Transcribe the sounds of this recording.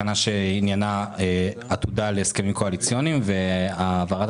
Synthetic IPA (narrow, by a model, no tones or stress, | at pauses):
anaʃeinjana | at̪ud̪aleeskemimko̞alit͡sjo̞nimve̞avaʁat̪